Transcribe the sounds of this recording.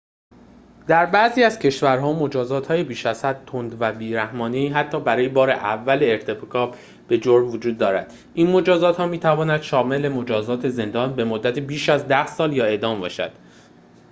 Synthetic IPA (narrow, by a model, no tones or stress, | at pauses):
d̪æɾbæziːæz̥cʰe̞ʃvæɾɦɒːmo̞d͡ʒɒːzɒːt̪ʰhɒːje̞biːʃæz̥hæd̪̚t̪ʰond̪væbiːɾæhmɒːneiːɦæt̪ʰːɒːbæɾɒːje̞bɒːɾḛʔævːæleːɾt̪ʰe̞pkʰɒːb | b̥e̞d͡ʒoɾmvod͡ʒuːd̪̚ːɒːɾæ̰d̪̥ | ʔiːnmo̞d͡ʒɒːzɒːt̪hɒːmiːt̪ʰævɒːnæd̪ʃɒːme̞lemo̞d͡ʒɒːzɒːt̪ʰe̞ze̞nd̪ɒːnbe̞mod̪ːæt̪ʰibiːʃæzd̪æhsɒːljɒːe̞d̪ɒːmbɒ̰ːʃæ̰d̪̥